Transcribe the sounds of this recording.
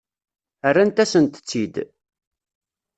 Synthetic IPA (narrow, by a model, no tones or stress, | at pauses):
ərːant̪æsənt̪ə̥t͡sːid̪